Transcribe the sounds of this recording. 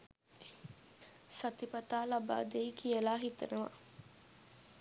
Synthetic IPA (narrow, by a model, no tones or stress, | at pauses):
sat̪ipɐt̪aːlaba̰ːd̪eikijəlaːɦit̪ənəʋa̰